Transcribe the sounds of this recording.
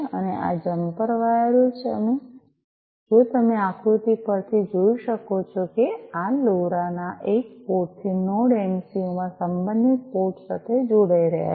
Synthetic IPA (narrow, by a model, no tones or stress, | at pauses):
ə̰neʔa̰d͡ʒəmpəɾʋaeɾut͡ʃʰeə̰me | d͡ʒũt̪əmeakʰɾut̪ipəɾt̪ʰid͡ʒoiʃəkot͡ʃʰokealoɾanaʔek̚poʈ̚t̪ʰinoɽemsiomãsəmbənd̪it̪̚poʈsat̪ʰed͡ʒoɽaiɾə̰ɦja̰